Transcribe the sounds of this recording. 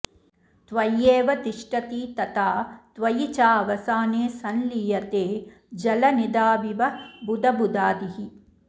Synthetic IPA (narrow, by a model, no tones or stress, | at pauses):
t̪ʋɐjːeːʋɐt̪iʂʈɐt̪iːt̪ɐt̪aːt̪ʋɐjit͡ʃaːʋɐsaːneːsɐnlijɐt̪eː | d͡ʒɐlɐnid̪aːʋiʋɐbud̪ɐbud̪aːd̪iɦi